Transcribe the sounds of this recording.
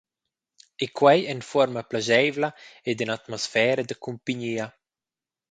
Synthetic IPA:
ekwɛjɛnfɔɾmaplaʒɛjvlaed̪inat̪mɔsfɛːɾəd̪əkumpiɲiːa

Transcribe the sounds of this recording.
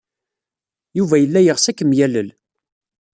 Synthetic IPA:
juvæjəlːæjəʁsækːəmjæləl

